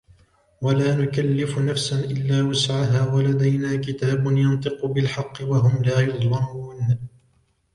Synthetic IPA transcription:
walaːnʊkalːɪfʊnafsanʔɪlːaːwasʕaɦaːwalad̪ajnaːkɪt̪aːbʊnjɑnt̪ˤɨqʊbɪlħɑqːɪwaɦʊmlaːjʊd̪ˤlɑmuːn

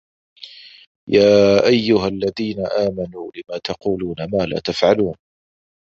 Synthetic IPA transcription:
jaːʔajːʊɦalːaðiːnaʔaːmanuːlɪmaːt̪ɑquːluːnamaːla̰ːt̪afʕaluːn

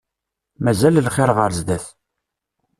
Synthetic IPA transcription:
mæzællχɪɾʁəɾzd̪æθ

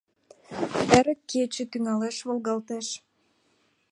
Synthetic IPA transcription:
æɾə̆kːet͡ɕĕt̪yŋɑleʃβolɣɑlt̪eʃ

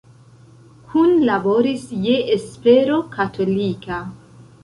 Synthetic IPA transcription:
kʰunlabo̞ɾisjeʔespeɾo̞kʰatʰo̞lika

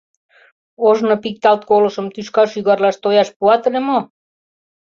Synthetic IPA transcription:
oʒnopik̚t̪ɑlt̪̚kolɤ̆ʃəmt̪yʃkɑʃyɣɑrlɑʃt̪ojɑʃpuɑt̪ɤlemo

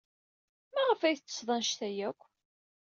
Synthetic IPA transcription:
mæʁəfæjθt͡sːə̥sðˤɑnʃt̪æjækʷː

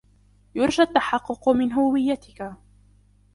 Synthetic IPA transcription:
jʊɾˤʒat̪ːaħɑqːʊqmɪnɦʊwɪjːat̪ɪka

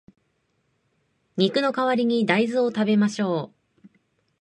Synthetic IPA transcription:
ɲ̟ikɯ̟no̞kaβaɾʲiɲ̟id̪aizɨo̞t̪abe̞maɕo̞ː

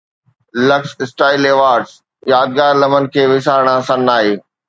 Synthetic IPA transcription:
lɐksɪsʈaːɪleːʋaːɾɖs | jaːd̪̚ɡaːɾlɐmənɪ̆kʰeːʋɪsaːɾɽ̃ãsɐ̃naːɦeː

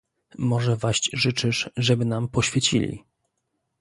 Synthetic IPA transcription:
mɔʐɛvaɕt͡ɕʐɘt͡ʂɘʂʐɛbɘnampɔɕfʲjɛt͡ɕḭlʲḭ

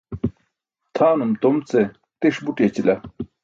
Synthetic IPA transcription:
t̪ʰaːnumt̪omt͡se | t̪eʂbuʈjet͡ɕilɐ

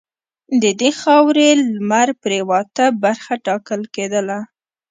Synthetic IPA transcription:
d̪əd̪exɑwɾelmaɾpɾewɑt̪abaɾxaʈɑkəlked̪əla

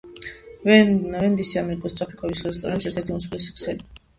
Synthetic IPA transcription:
vɛnd̪isiamɛɾikʼɔst̪ʼɾapʰi̥kʰʼɔvisuɾɛst̪ʰʼɔ̰ɾɛnt̪sɛɾt̪ʰɛɾt̪ʰiusklɛsi̥ksɛli

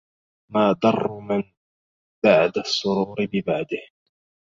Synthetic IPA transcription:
maːd̪ɑrˤːmɪn | b̥aʕd̪asˤːʊɾuːɾɪbɪbaʕd̪ɪh

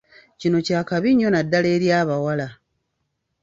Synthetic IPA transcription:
cino̞caːkaβiɲːo̞nadːale̞ːɾjaːβawala

